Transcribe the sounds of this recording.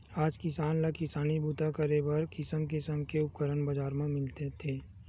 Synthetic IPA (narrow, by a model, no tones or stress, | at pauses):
aːd͡ʒkɪsaːnlakɪsaːnibuːt̪akəɾebɐɾkɪsəmkɪsəmkeʊp̚kəɾənbɐd͡ʒaːɾmẽmɪlt̪et̪ʰeː